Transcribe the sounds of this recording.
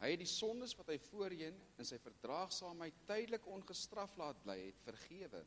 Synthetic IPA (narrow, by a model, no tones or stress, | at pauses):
ɦəjɛt̚disɔndəsvɐtɦəjfuəɾiəənənsɛjfərdrɑːχsɑːmɦəjtːɛjdələkɔnχəstrɐflɑːt̚blɛ̰jɦɛ̰tfərχiəvə̰